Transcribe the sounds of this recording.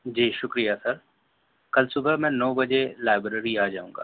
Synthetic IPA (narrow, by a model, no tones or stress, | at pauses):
d͡ʒiːʃʊkɾijasɐɾ | kɐlsʊbʱəmɛ̃ːnɔːbɐd͡ʒelaːɪbɾeɾiaːd͡ʒaːũːŋɡa̰ː